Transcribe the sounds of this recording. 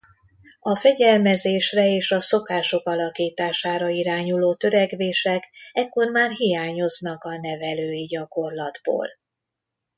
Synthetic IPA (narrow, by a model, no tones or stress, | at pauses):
ɒfɛɟɛlmɛzeːʃrɛeːʃɒso̞kaːʃo̞kɒlɒkiːt̪aːʃaːɾɒiɾaːɲuloːt̪ø̞ɾɛɡʋeːʃɛkɛkːo̞rmaːrɦijaːɲo̞znɒkɒnɛvɛløːiɟɒko̞rlɒd̪bo̰ːl